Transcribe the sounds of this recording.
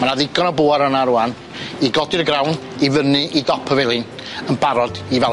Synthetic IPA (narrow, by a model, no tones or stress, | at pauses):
manaðɪɡɔnɔboːaɾənaɾuan | iɡɔdɨrɡrawnivənɨʔidɔpʰəvɛlˠɨn | ənbaɾɔdivɛ